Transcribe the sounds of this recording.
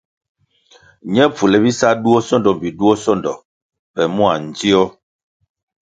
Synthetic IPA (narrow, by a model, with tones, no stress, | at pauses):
ɲɛ˦p͡fu˨lɛ˨bi˦sa˦du˦ɔ˦sɔ˦ndɔ˨m˨bi˨du˦ɔ˦sɔ˦ndɔ˨ | pɛ˨mu˦a˨n̩˨di˦ɔ˦